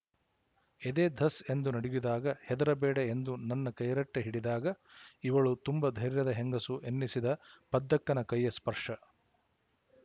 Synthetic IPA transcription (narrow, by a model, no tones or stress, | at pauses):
ed̪eːd̪ʱɐse̞nd̪unɐɽijud̪aːɡɐhɛd̪ɐɾɐbɛːɽeend̪unɐnːɐkɐjɐɾɐʈːeɦiɽid̪aːɡɐiʋɐɭut̪umbɐd̪ʱɐjɾjɐd̪ɐɦeŋɡɐsuʔenːisid̪ɐpɐd̪ːɐkːɐnɐkɐjːɐspɐɾʂɐ